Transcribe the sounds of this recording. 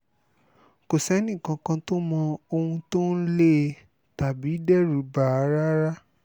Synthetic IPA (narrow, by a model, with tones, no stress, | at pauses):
ko˨sɛ˨˦nĩ˦˨kã˧kã˧to˦mɔ̃˧o˧hũ˧to˦n̩˦le˦ | ta˨bi˨˦dɛ˦˨ɾu˨˦ba˨a˨˧˦ɾa˦ɾa˦